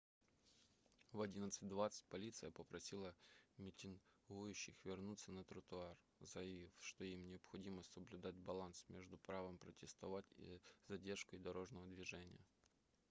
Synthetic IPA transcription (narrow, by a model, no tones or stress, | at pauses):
vɐdʲinət̪sɨt̚ʲd̪vat̪sə̥t̚ʲpɐlʲit̪sɨjəpəpɾɐsʲilˠəmʲɪtʲɪŋɡujʉɕːɪxvʲɪrnut̪sːənət̪ɾət̪ʊar | zəjɪvʲifʂt̪oimnʲɪɐpxɐdʲiməsəblʲʉd̪at̚ʲbɐlˠansmʲeʐd̪ʊpɾavəmpɾətʲɪst̪ɐvatʲḭzɐdʲe̞rʂkəjd̪ɐɾo̞ʐnəvəd̪vʲɪʐɛnʲɪ̰jə